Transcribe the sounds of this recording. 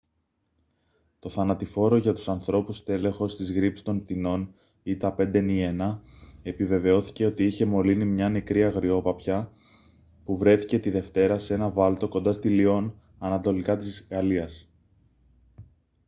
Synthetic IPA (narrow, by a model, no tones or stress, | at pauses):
t̪o̞θɐnɐt̪ifo̞ɾo̞ʝɐt̪u̥sɐnθɾo̞pust̪e̞le̞xo̞st̪izɣɾipsi̥st̪o̞np̚t̪ino̞n | it̪ɐpe̞nd̪e̞nie̞nɐe̞pive̞ve̞o̞θi̥ce̞o̞t̪iiçe̞mo̞linimɲɐne̞kɾiɐɣɾio̞pɐpçɐ | puvɾe̞θice̞t̪iðe̞ft̪e̞ɾɐsee̞nɐvɐlt̪o̞ko̞nd̪ɐst̪ilio̞n | ɐnɐt̪o̞likɐt̪isɣɐliɐs